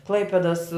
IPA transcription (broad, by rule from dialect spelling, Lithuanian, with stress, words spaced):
ˈklˠɐɪpʲeːdɐs